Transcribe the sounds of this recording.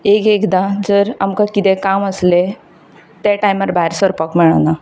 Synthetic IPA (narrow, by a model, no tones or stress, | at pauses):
ekekd̪ad͡zəɾamkakit̪ekaməsle | t̪eʈajməɾbʱaɦɛɾsəɾpəkmɛɭəna